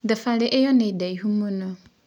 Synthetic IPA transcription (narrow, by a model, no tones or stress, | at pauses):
dɛfalɪʔɛjɔnɪ̃daiɦumũnʊ̃